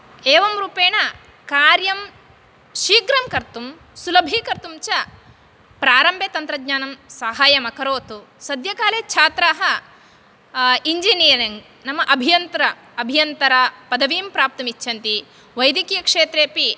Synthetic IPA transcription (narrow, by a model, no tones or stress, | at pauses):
eːʋɐmɾuːpeːɳɐ | kaːɾjɐm | ʃiːɡɾɐmkɐɾt̪um | sulɐbʱiːkɐɾt̪umt͡ʃɐ | pɾaːɾɐmbʱeːt̪ɐnt̪ɾɐɡɲaːnɐmsaːɦaːjɐmɐkɐɾoːt̪u | sɐd̪jɐkaːleːt͡ʃʰaːt̪ɾaːɦɐ | iɲd͡ʒinijɐɾiŋɡ | nɐmɐʔɐbʱijɐnt̪ɾɐ | ɐbʱijɐnt̪ɐɾapɐd̪ɐʋiːmpɾaːp̚t̪ɐmit͡ʃʰɐnt̪i | ʋɐjd̪ikijɐkʂeːt̪ɾeːpi